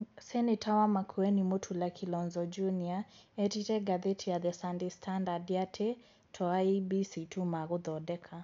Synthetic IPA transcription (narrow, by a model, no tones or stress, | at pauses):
sɛnetʰawamakʰuɛnimotʰulakʰilɔnzɔd͡ʒuniaɛtitɛɡaðetʰiaðɛsandistʰandadiatʰe | tʰɔaibisitʰumaɣoðɔdɛkʰa